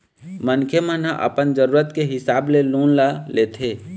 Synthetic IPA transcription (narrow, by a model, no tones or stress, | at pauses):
mənkʰjemə̃naʔɐ̰pənd͡ʒəɾuːɾət̪keɦɪsaːbleluːnlaleːt̪ʰeː